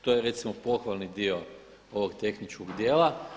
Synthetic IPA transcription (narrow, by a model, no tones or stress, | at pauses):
t̪ojeɾe̞t̪simopo̞xʋalˠnid̪io | oʋoɡt̪e̞xnit͡ʃkoɡd̪je̞ːlˠa